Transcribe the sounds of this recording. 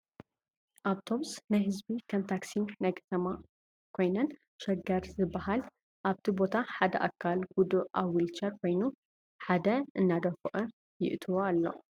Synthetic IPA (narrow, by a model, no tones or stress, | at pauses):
ʔaβt̪ʰo̞bsnajhɨzbikʰɐnt̪ʰaksinajkʰɐ̥t̪ʰɐma | kʰo̞jnɐn | ʃɐɡɐɾzɨbːahal | ʔaβt̪ʰibo̞t̪ʰaħad̪ɐʔakʰːalɡud̪uʔaβwilt͡ʃʰɐɾkʰo̞jnu | ħad̪ɐʔɨnːad̪ɐfuʔɐ | jɪʔt̪ʰɨwoalːo̞̰